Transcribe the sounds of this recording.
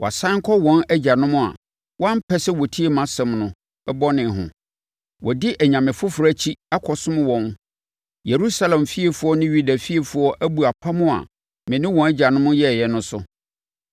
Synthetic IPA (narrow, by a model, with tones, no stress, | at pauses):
wʔɔ˨a˨sã˦ŋ˦kʰɔ˦wɔ̃˦nɛ˦d͡ʑa˨nʊ̃˦mʊ̃˦a̰˨ | wʔɔ̃˦m̩˦pʰɛ˦sɛ˦wɔ˨tʰi˦e˨mã˦sɛ̃˨mnʊ̃˨ | ɛ˦bɔ˦nɪ̃˨ɦʊ̰̃˨ | wʔɔ˨dɪ˦ʔɛ˨ɲã˨mɪ̃˨fʊ˦fʊ˨ɾa˦t͡ɕʰi˦a˦kʰɔ˨sʊ̃˦m̃˦wɔ̃˨˦n | je˨ɾu˦sa˦lɛ̃˨mfi˦e˨fʊ˨˦ɔ˦nɪ̃˦ɥi˦dæ˨fi˦e˨fʊ˦ɔ˦ʔæ˦bu˨a˨pʰa˦mʊ̃˦a̰˨ | mɪ̃˨nɪ̃˦wɔ̃˨næ˦d͡ʑa˨nʊ̃˦mʊ̃˦jɛ˦˨jɛ˨nʊ̃˦sʊ˦